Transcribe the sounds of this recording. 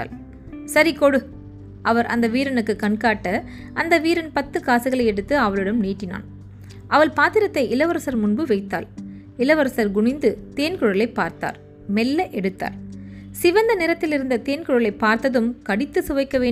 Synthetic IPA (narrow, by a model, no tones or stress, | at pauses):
a̰ːl | sɐɾikoɽɯ | ʔɐʋɐɾʔɐ̰nd̪ɐʋiːɾɐnɯkːɯkɐɳkaːʈːɐ | ʔɐnd̪ɐʋiːɾɐnpɐt̪ːɯkaːsɯɣɐɭɐɪɛɽɯt̪ːɯɐʋɐɭɯɽɐmneːʈːɪna̰ːn | ʔɐʋɐɭpaːt̪ɪɾɐt̪ːɐɪʔɪlɐʋɐɾɐsɐɾmʊɳbɯʋɐɪt̪ːa̰ːl | ɪlɐʋɐɾɐsɐɾɡʊɳɪnd̪ɯt̪eːnkʊɻɐlɐɪpːaːɾt̪a̰ːɾ | mɛlːɐʔɛɽɯt̪ːa̰ːɾsɪʋɐnd̪ɐnɪɾɐt̪ːɪlɪɾɯnd̪ɐt̪eːnkɯɻɐlɐɪpːaːɾt̪ːɐðɯmkɐɽɪt̪ːɯsʊʋɐɪkːɐʋeː